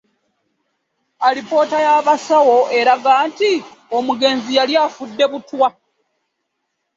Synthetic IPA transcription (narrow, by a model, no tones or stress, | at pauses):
alipo̞ːtajaːβasawo̞ʔe̞ɾaɡaːntio̞muɡe̞ːnzijaljaːfudːe̞βutwa